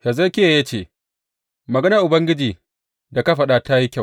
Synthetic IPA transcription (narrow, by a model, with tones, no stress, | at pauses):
ha˨zɐ˦kʲe˦˨ja˦t͡ʃeː˦˨ | mɐ˨ɡɐ˦nɐ˨ʔʊ˨bɐ˦ŋɡʲɪ˦d͡ʒiː˨ | da˨ka˦ɸɐ˦ɗa˦ta˦ji˦kʲa˦˨